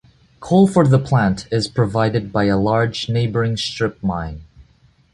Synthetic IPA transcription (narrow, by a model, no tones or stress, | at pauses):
kʰolˠfə˞ðəpʰl̥æ̃ntʰɪz̥pʰɹ̥ɨvaɪɾɨd̚baɪəlɑɹd͡ʒneɪbə˞ɪ̃ŋstɹ̥ɪp̚mãɪ̃n